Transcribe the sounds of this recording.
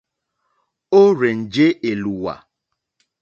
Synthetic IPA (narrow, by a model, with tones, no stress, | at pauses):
o˦ɾe˨n̩˨d͡ʒe˦e˨lu˨wa̰˨